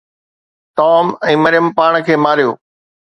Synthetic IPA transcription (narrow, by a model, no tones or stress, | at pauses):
t̪ɔːmɛ̃ːməɾɪjəmpaːɽ̃kʰeːmaːɾijo̰ː